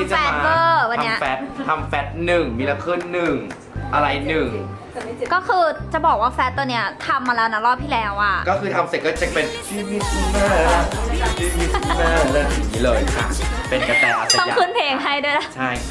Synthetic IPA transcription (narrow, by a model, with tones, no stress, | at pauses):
i˥˩t͡ɕaɛ˨˦a˥ɤː˥˩wa˧nʰani˦˥mɐʔfɛː˦˥t̪ʰa˧mfɛː˦˥t̪̚nɯ˨˩ŋmiː˧la˧kʰɯ˥˩nːɯ˨˩ŋ | ʔa˧ɾa˧jnnɯ˨˩ŋ | kɔː˥˩kʰɯː˧t͡ɕa˨˩bɔː˨˩k̚waː˥˩fɛː˦˥t̪̚ːo˧nːi˦˥ɐt̪ʰa˧mːaː˧lɛː˦˥wna˦˥ɾɔː˥˩p̚t̪ʰiː˥˩lɛː˦˥wʔa˨˩kɔː˥˩kʰɯː˧t̪ʰa˧mse˨˩kɔ˥˩t͡ɕa˨˩pe˧nt̪ʰiː˥˩mi˦˥t̪̚maː˥˩ | t̪ʰiː˥˩mi˦˥maː˥˩lɛː˦˥˩i˨˩iː˦˥lɤː˧jkʰa̰˦˥˩pe˧nka˧˩t̪aː˨˩a˧a˧˥˩ja˨kʰɯ˦˥˩npʰeː˧˩ŋɦa˥˩jdu˥˩˨jna˦˩t͡ɕʰa˥˩j